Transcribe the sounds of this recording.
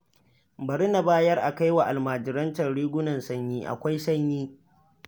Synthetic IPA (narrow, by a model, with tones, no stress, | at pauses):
bɐ˨ɽɪ˦na˨baː˦jɐ˦rʔa˨ka˦jwa˨ʔa˨lmaː˨d͡ʒɪ˨ɾɐ˦nt͡ʃɐ˨nɽiː˦ɡʷʊ˦nɐ˨nsɐ˦ɲjiː˦ʔa̰˨kʷa˦jsɐ˦ɲjiː˦